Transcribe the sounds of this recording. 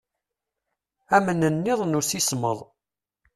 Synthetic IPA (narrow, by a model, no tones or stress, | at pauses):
æmənənːɪðˤnusismə̰ðˤ